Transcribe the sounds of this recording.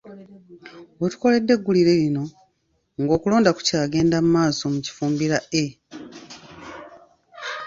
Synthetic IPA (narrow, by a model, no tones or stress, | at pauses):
wetu̥ko̞le̞dːe̞ɡːuliɾe̞ɾino̞ | ŋɡo̞ːkulo̞ːndaku̥caːɡe̞ːndamumaːso̞muci̥fuːmbiɾae